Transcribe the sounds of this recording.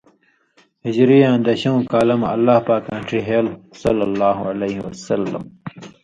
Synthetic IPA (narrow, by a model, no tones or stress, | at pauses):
hid͡ʑɾijãːnd̪ɐɕɐũkaːlɐmɐ̰lːaːhpaːkãːɳʈiɦeːlsɐlːɐlːaːɦualeɦiwɐsɐlːɐ̰m